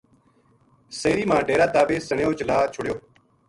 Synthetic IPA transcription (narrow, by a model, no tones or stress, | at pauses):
seːɾiːmãːɖeːɾaːt̪aːbeːsəɳjoːt͡ʃəlaːt͡ʃʰʊɽɪjoː